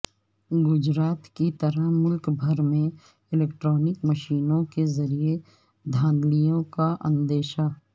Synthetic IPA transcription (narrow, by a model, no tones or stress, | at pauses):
ɡʊd͡ʒɾaːt̪kit̪ɐɾəɦmʊlkbʱɐɾmẽ | ɪleːk̚ʈɾɔːnɪkmɐʃiːnõkezɐɾije | d̪ʱãːnd̪lijõkaʔə̰̃nd̪eːʃa